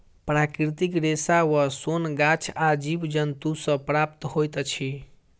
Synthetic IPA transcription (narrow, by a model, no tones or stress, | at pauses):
pɾakɾit̪ikɾesawəsonɡat͡ʃʰad͡ʒibd͡ʒənt̪usə̃pɾap̚t̪hojt̪t͡ʃʰi